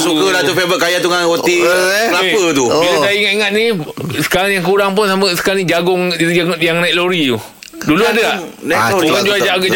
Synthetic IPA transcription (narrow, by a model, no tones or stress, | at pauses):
sukədat̪ufebəkajat̪uŋahot̪ilaeppət̪ubilasaiŋat̪iŋat̪̚nisə̥kaɾaŋjaŋkuɾaŋp̬ʊnsaməsə̥kaɾaŋnĩd͡ʒaɡʊŋaŋjaŋnajkloɾit̪u | duluadəanaukand͡ʒuad͡ʒaʔɡa